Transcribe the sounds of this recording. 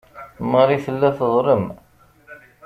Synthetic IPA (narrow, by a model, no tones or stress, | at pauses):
məɾˤiθəlːæθəðˤɾəm